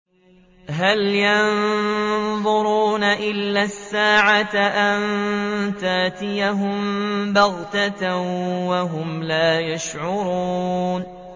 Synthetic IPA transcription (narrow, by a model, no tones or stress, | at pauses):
ɦaljɑn | ðˤʊɾuːnaʔɪlːasːaːʕaʔant̪aʔt̪ɪjaɦʊmbɑɣt̪a | waɦʊmlaːjaʃʕʊɾuːn